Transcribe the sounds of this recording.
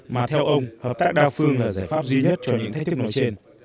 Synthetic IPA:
maː˨˩t̪ʰɛ˧wʔə˧wŋ͡mhəː˨˩p̚t̪aː˦˥k̚ɗaː˧wfɨ˧əŋlaː˨˩zaː˧˩jfaː˦˥p̚zwi˧ɲə˦˥t̚t͡ɕɔ˧ɲɨ̰˧˥ŋt̪̚ʰt̪ɨ˦˥kno̰˧˦jt͡ɕe˧n

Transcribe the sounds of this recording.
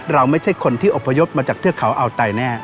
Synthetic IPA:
ɾa˧wma˥˩jt͡ɕʰa˥˩jkʰo˧nt̪ʰiː˥˩ʔo˨˩pʰːa˧jo˦˥p̚maː˧t͡ɕaː˨˩kt̪ʰɯ˥˩ɐkʰa˩˦wʔa˧wt̪a˧jnɛː˥˩

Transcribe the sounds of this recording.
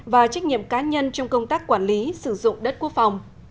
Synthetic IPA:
vaː˨˩t͡ɕa˦˥jk̟̚ɲḭ˧˨əmkaː˨˦ɲə˧nt͡ɕɔ˧wŋ͡mkə˧wŋ͡mt̪aː˦˥k̚kwaː˧˩nli˨˦sɨ˧˩zʊ̰˧˨ŋ͡mɗə˦˥t̚ku˦˥ək̚fa˨˩wŋ͡m

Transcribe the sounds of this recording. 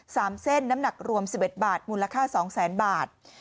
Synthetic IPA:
saː˩˦mse˥˩nːa˦˥mna˨˩k̚ɾu˧əmsi˨˩p̚ʔe˨˩t̪̚baː˨˩t̪̚muː˧la˧kʰaː˥˩sɔː˩˦ŋsɛː˩˦nbaː˨˩t̪̚

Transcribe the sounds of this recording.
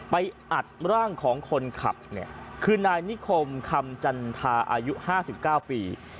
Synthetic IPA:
pa˧jʔa˨˩t̪̚ɾaː˥˩ŋkʰɔː˩˦ŋkʰo˧nkʰa̰˨˩p̚ni˥˩ɐkʰɯː˧naː˧jni˦˥kʰo˧mkʰa˧mt͡ɕa˧nt̪ʰaː˧ʔa̰ː˧ju˦˥ʔhaː˥˩si˨˩p̚kaː˥˩wpiː˧

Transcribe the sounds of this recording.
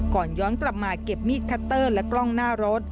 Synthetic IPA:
kɔː˨˩njɔː˦˥nkla˨˩p̚maː˧ke˨˩p̚miː˥˩t̪̚kʰa˦˥t̪ːɤː˥˩lɛ˦˥klɔ˥˩ŋnaː˥˩ɾo˦˥t̪̚

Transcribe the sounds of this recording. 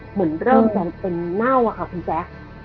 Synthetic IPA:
mɯ˩˦ənɾɤː˥˩ŋta˧˩pe˧nːa˥˩wa˨˩kʰa˥˩kʰu˧nsɛː˦˥k̚

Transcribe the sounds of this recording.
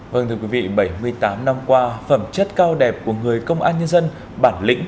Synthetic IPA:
və˧ŋt̪ʰɨ˧ə˧kwi˨˦vḭ˧˨ɓə˧˩jmɨ˧əjt̪aː˨˦mna˧mkwaː˧fə˧˩mt͡ɕə˦˥t̚kaː˧wɗɛ˨˩p̚ku˧˩əŋɨ˨˩əjkə˧wŋ͡mʔaː˧nɲə˧nzə˧n | ɓaː˧˩nlḭ̈˧˥ŋ̟

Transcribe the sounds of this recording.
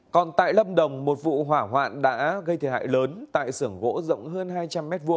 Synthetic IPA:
kɔ˨˩nt̪a̰ː˧˨jlə˧mɗə˨˩wŋ͡mmo˨˩t̚vṵ˧˨ɦwaː˧˩ɦwa̰ː˧˨nɗa̰ː˧˥ɣə˧jt̪ʰə˧˩ha̰ː˧˨jləː˨˦nt̪a̰ː˧˨jsɨ˧˩əŋɣo̰˧˥zə̰˧˨wŋ͡mɦəː˧nɦaː˧jt͡ɕa˧mːɛ˦˥t̚vu˧ə

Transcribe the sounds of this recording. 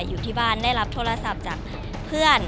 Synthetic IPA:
jːuː˨˩t̪ʰiː˥˩baː˥˩ndaː˥˩jɾa˦˥p̚t̪ʰoː˧˥˧ɾa˧sa˨˧˦p̚t͡ɕaː˨˩k̚ | pʰɯ˥˩ən

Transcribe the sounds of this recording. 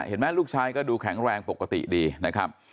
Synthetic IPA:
hḛ˨˩˦nmɛː˦˥˩luː˥˩k̚t͡ɕʰaː˧jkɔː˥˩duː˧kʰɛ˩˦ŋɾɛː˧ŋpo˨˩kːa˧t̪ḭ˨˩diː˧na˦˥kʰa˦˥p̚

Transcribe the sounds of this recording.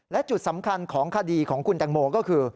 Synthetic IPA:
lɛ˦˥t͡ɕu˨˩t̪̚sa˩˦mkʰa˧nkʰɔː˩˦ŋkʰa˧diː˧kʰɔː˩˦ŋkʰu˧nt͡ɕ̪a˧ŋmoː˧kɔː˥˩kʰɯː˧

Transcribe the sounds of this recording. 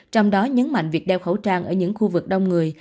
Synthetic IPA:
t͡ɕɔ˧wŋ͡mɗɔ˨˦ɲə˨˦nma̰˧˨jŋ̟vi˨˩ək̚ɗɛ˧wxə˧˩wt͡ɕaː˧nʔəː˧˩ɲɨ̰˧˥ŋxu˧vɨ˨˩k̚ɗə˧wŋ͡mŋɨ˨˩əj

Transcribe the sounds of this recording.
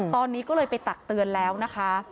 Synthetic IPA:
t̪ɔː˧nːiː˦˥kɔː˥˩lɤː˧jpa˧jt̪a˨˩k̚t̪ɯ˧ənlɛː˦˥wna˦˥kʰa˦˥

